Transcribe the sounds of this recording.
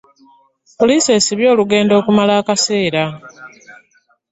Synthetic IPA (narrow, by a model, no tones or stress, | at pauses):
polise̞ːsiβjo̞ːluɡe̞ːndo̞ːkumalaːkase̞ːɾa